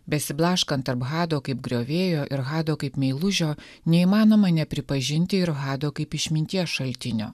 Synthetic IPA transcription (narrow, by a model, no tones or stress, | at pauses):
bʲɛsʲɪblˠɑːʃkɐnt̪ːɐɾpɣɑːd̪oːkɐɪp̚ɡɾʲoːʋʲeːjoːʔɪɾɣɑːd̪oːkɐɪpmʲɛɪlˠʊʒʲoːnʲɛiːmɑːnoːmɐnʲɛpʲɾʲɪpɐʒʲɪnʲt̪ʲɪɪɾɣɑːd̪oːkɐɪpɪʃʲmʲɪnʲt̪ʲiɛsʃɐlʲt̪ʲɪnʲo̰ː